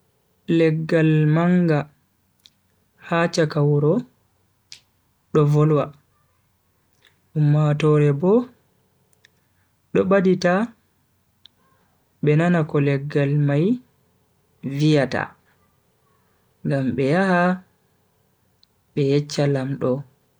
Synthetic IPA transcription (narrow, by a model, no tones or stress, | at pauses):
lɛɡːalmaŋɡa | haːt͡ʃakawɾɔ | ɗɔvɔlwa | ɗumːatɔɾɛbɔ | ɗɔɓadita | ɓɛnanakɔlɛɡːalmaj | vijata̰ | ŋɡamɓɛjaha | ɓɛjɛt͡ʃːalamɗɔ